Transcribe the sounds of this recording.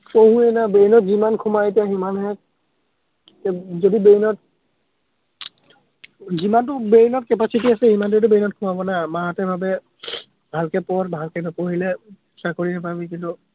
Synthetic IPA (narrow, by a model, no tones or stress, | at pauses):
poɦũɛnabenɔtzimankʰumaet̬ijaɦimanɦɛ | kɛzodibeinɔt̚ | zimantʊbenɔt̚kɛpasitiasɛhimant̬ut̬ʊbeinɔt̚kʰʊmabɔnamaɦatɛbʱabɛ | bʱalkɛpɔɹbʱalkɛnɔpoɦilɛ | sakoɹinapabikintʊ